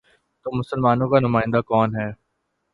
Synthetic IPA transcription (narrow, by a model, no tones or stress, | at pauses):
t̪oːmʊsəlmaːnõkanʊmaːɪ̃nd̪aːkɔːnɦɛː